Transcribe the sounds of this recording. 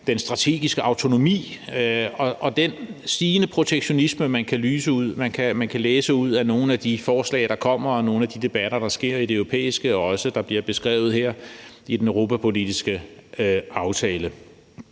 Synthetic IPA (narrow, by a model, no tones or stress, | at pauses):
d̥ensd̥ʁɑ̈t͡sʰe̝̰ːɡ̥isɡ̥əɑ̈ʊt͡sʰo̝no̝mḭː | ɒ̽ɒ̽d̥ensd̥iːnəpʰʁo̝t͡sʰeɡ̥ɕo̝nisməmænkʰælyːsəuð̰ˠmænkʰæmænkʰæleːsəuð̞̰ˠæno̝ːn̩æd̥ifɒːslɛ̰ɪɾ̥ɑ̈kʰɒ̽m̰ɐɒ̽no̝ːn̩æd̥id̥e̝b̥æɾ̥ɐd̥ɑ̈sɡ̥e̝ɐ̰id̥eøʊʁo̝pʰḛːisɡ̥əɒɒ̽səd̥ɑ̈b̥liɐb̥e̝sɡ̥ʁɛ̰ʊð̩ˠheɐ̰id̥enøʁo̝ːpʰæpʰo̝lid̥isɡ̥ə | ɑ̈ʊt͡sʰɛːlə